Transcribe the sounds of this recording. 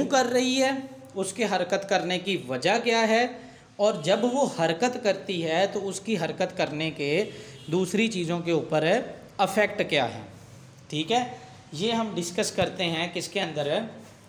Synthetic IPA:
ũːkɐɾːɐɦiɦɛː | ʊskeɦɐɾkət̪kɐɾnekiʋɐd͡ʒakjaɦɛ | ɔːɾd͡ʒɐbʋohɐɾkət̪kɐɾt̪iɦɛt̪oʊskiɦɐɾkət̪kɐɾneked̪uːsɾit͡ʃiːzõkeuːpəɾɦɛ | ɐfʰɛk̚ʈkja̰ːɦɛ̰ː | ʈʰiːkɦɛː | jeːɦɐmɖɪskəskɐɾt̪eɦɛ̃kɪskeɐ̃nd̪əɾɦɛ

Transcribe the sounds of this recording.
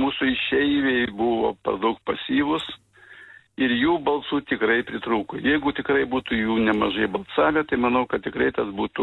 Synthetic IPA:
muːsʊɪʃʲɛɪʋʲeɪbʊʋo̰ːpɐ̰rd̪ɐʊk̚pɐsʲiːʋʊs | ɪɾjuːbɐlˠsuːt̪ʲɪkɾɐɪpʲɾʲɪt̪ɾuːkojɛɪɡʊt̪ʲɪkɾɐɪbuːt̪ʊjuːnʲɛmɐʒɐɪbɐlˠsɑːʋʲɛt̪ɐɪmɐnɐʊkɐt̪̚t̪ʲɪkɾɐɪt̪ɐsbuːt̪ʊ

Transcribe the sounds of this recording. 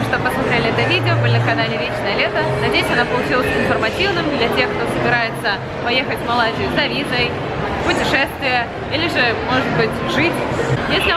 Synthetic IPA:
ʂt̪opɐsat̪ɾʲelʲɪɛt̪əvʲidʲɪobɨlʲɪnəkɐnalʲɪɾʲet͡ɕnəjəlʲet̪ənɐdʲejɪsʲɐnapəlˠʊt͡ɕilˠəsʲɪnfərmɐtʲivnɨmd̪lʲɐtʲe̞xk̚t̪osəbʲɪɾajɪt̪sə | pɐjexətʲmɐlˠazʲɪjzɐvʲizəj | pʊtʲɪʂɛst̪vʲɪjə | ilʲɪʐɨmo̞ʐɨt̪̚bɨtʲʐɨtʲjesʲlʲɪ

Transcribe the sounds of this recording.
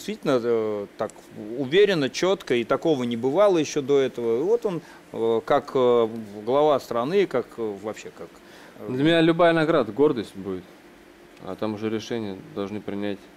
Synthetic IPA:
dʲɪst̪vʲitʲɪlʲnət̪ak | ʊvʲeɾʲɪnːət͡ɕo̞t̪kəit̪ɐko̞vənʲɪbɨvalˠəjɪɕːo̞d̪o̞ɛt̪əvəivo̞t̪on | kakəɡlˠɐvast̪ɾɐnɨkakvɐpɕːe̞kak | d̪lʲəmʲɪnʲalʲʊbajənɐɡɾad̪əɡo̞rd̪əsʲtʲbudʲɪt̪ | a̰t̪amʊʐɛɾʲɪʂɛnʲɪjəd̪ɐlˠʐnɨpɾʲɪnʲætʲ

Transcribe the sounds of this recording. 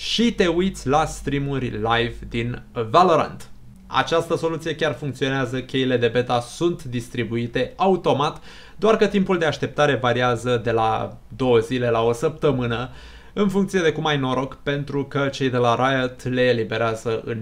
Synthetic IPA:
ʃit̪e̞ujt̪sʲlast̪ɾimurʲlajvd̪invaloɾa̰nd̪ | a̰t͡ʃast̪əso̞lut̪sie̞kʲarfuŋkt̪sio̞neazəkʲe̞jile̞d̪e̞be̞t̪asunt̪d̪ist̪ɾibuit̪e̞aut̪o̞mat̪ | d̪oarkət̪impuld̪e̞aʃt̪e̞p̚t̪aɾe̞vaɾiazəd̪e̞la̰ | d̪o̞wəzile̞lao̞səp̚t̪əmɨnə | ɨnfuŋkt̪sije̞d̪e̞kumajno̞ɾo̞kpe̞nt̪ɾukət͡ʃe̞jd̪e̞laɾajət̪le̞ːlibe̞ɾeazəɨ̰n

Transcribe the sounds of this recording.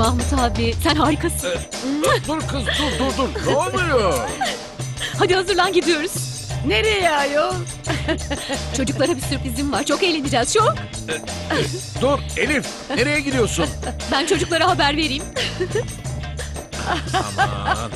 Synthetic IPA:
ahmut̪haːbisænɦaːɾikʰasɯn | d̪uɾkʰɯzt̪ʰuɾd̪uɾd̪uɾnoajo | had̪ihazɯɾlˠanɟid̪ijo̞ɾuz̥ | ne̞ɾejjɛjo | t͡ʃʰo̞d͡ʒuklˠaɾabisyɾpɾizimvaɾt͡ʃʰo̞ke̞jlʲe̞nid͡ʒɛːz̥ʃu | d̪uɾe̞lʲim | e̞ɾe̞jɛɟid̪ijo̞sunbænt͡ʃʰo̞d͡ʒuklˠaɾaɦabæɾve̞ɾijːm

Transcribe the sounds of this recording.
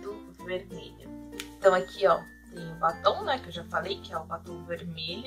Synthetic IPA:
d̪ʊ | veɾmelʲʊ̰ẽt̪ɐ̃w̃akʰiɔ | t̪ẽj̃ʊ̃bat̪ɐ̃w̃nɛkɪewʒafalejkɪɛʊbat̪ɐ̃w̃veɾmel

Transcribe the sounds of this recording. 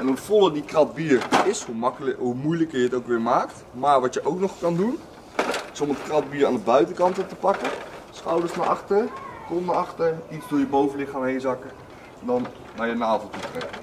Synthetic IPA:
ɛnufɔlˠədikrɑd̚biːɹɪshumɦumujləkəɹjəətowkʋɪːɹmaːktmaːɹʋɑtjəʔowknɔχkɑndun | ɪsɔmətkrɑd̚biːɾa̰ːndəbœɥtəkɑntətəpɑkəsχɑwdəɹsnaɑχtəɹkɔnnaɑχtəɹitsdʊːɹjəbowvənlɪχaːmɦejnzɑkə | ndɑn | naːɹjənaːvəlˠtutrɛkə

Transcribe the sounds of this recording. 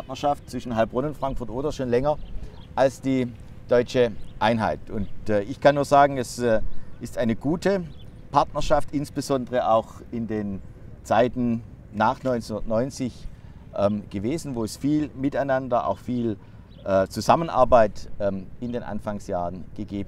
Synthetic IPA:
tnɐʃaftt͡sv̥ɪʃn̩ɦalpʁʊnʊntfʁ̥aŋkfʊɐtʔoːdɐʃoːnlɛŋɐʔalsd̥iː | d̥ɔʏt͡ʃəʔaɪnɦa̰ɪtʊntːɪçkʰanːuːɐzaːɡŋ̩ɛsʔɪstʔaɪnəɡuːtʰə | pʰaɐtnɐʃaftɪnsb̥əzɔndəʁəʔaʊx | ɪndeːn | t͡saɪtn̩ | naːχnɔʏnsnʊndɐtnɔʏnt͡sɪç | ʔɛmɡ̥əveːzn̩voːɛsfiːlmɪtaɪnandɐʔa̰ʊxfiːl | ʔɛt͡suzamənʔa̰ɐbaɪtɛɪndeːnʔa̰nfaŋsjaːʁənɡ̥əɡeːb̩

